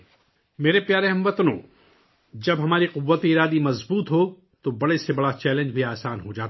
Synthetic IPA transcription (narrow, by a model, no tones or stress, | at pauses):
meːɾepjaːɾeɦɐ̃mʋɐt̪nõ̰ː | d͡ʒɐbɦɐmaːɾiqʊʋːət̪eɪɾaːd̪imɐzbuːt̪ɦo | t̪obɐɽesebɐɽat͡ʃɛːlẽnd͡ʒbʱiaːsaːnɦod͡ʒaːt̪ː